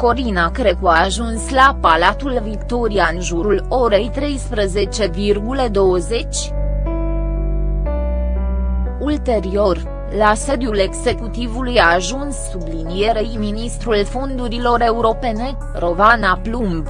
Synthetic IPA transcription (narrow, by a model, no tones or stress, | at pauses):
ko̞ɾinakɾe̞kuaːʒunslapalat̪ulvikt̪o̞ɾiaɨnʒuɾulo̞ɾe̞jt̪ɾe̞jspɾəze̞t͡ʃe̞virɡuləd̪o̞wəze̞t͡ʃʲ | ult̪e̞ɾio̞r | lase̞d̪jule̞ɡze̞kut̪ivulujaːʒunsːublinije̞ɾejminist̪ɾulfo̞nd̪uɾilo̞ɾe̞uɾo̞pe̞ne̞ | ro̞vanaplumb